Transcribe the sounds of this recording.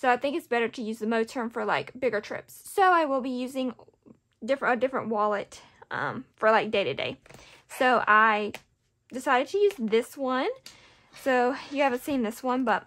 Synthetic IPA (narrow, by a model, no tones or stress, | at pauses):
soʊaɪθɪ̃ŋkɨtsb̥ɛɾə˞ɾɨjʉzðɨmoʊ̥tʰɜ̃˞ɱfə˞laɪkb̥ɪɡə˞tʰɹ̥ɪ̰psːoʊaɪwɪlˠbijʉzɪ̃ŋ | dɪfɹɨɨdɪfɹə̰̃nʔwɑlˠət | ʔʌ̰̃mfə˞laɪk̚d̥eɪɾɨdḛɪ | soʊʔaɪ | d̥ɨsaɪɾɨd̚tʰɨjʉzðɪswʌ̃n | soʊjɨhævɨ̃ntsĩnðɪswʌ̃nbʌt̚